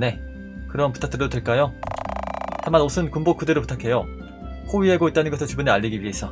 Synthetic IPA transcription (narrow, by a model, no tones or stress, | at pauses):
ne̞ | kɯɾʌnputʰakt͈ɯɾdotwe̞ɭk͈ajo | t͡ɕamanosʰɯnkumbok͈ʰɯdeɾopu̥tʰakʰe̞jo | hoɥiɦeɡoit͈̚anɯnɡʌsʰɯɭt͡ɕubɯneaʎːiɡiɥiɦesʰʌ